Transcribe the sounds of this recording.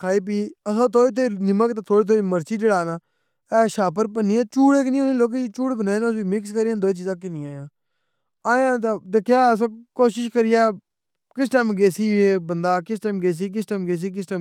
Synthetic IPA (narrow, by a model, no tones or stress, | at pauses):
kʰaːiːp̬iːəsãːt̪ʰoːit̪ʰːeːnɪməkt̪aːt̪ʰoːɽiːt̪ʰoːɽiːməɾt͡ʃiːd͡ʒəɽaːnaː | ɛːʃaːpəɾp̬əniːãːt͡ʃuːɽeːk̬ɪnĩõːnĩːloːk̬eit͡ʃuːɽbənaːenːʊsbiːmɪkskəɾijãːd̪oːt͡ʃiːzãːk̬ɪnĩːaːjãː | aːjãːt̪ed̪eːkʰjaːəs̬ãːkoːʃɪʃkəɾɪjaː | kɪsʈaːmɡeːsiːeːbənd̪aːkɪsʈaːmɡeːs̬iːk̬ɪsʈaːmɡeːs̬iːk̬ɪsʈaːm